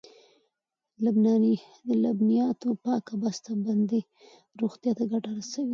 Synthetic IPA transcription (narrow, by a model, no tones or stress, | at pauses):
lʊbnɑni | d̪əlabnijɑt̪opɑkabast̪aband̪e | ɾoɣt̪jɑt̪aɡaʈaɾasawi